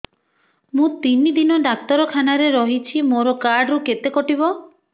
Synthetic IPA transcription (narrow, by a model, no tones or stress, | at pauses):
mũt̪inid̪inɔɖak̚t̪ɔɾɔkʰanaɾeɾɔɦit͡ʃʰimoɾɔkaɾɖɾuket̪ekɔʈibɔ